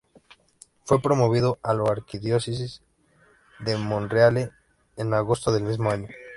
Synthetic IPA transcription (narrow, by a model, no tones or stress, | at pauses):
fwe̞pɾo̞mo̞βiðoaloaɾkiðjo̞sisiz | ðemõnrealeː | naɣo̞st̪oðelmizmoaɲo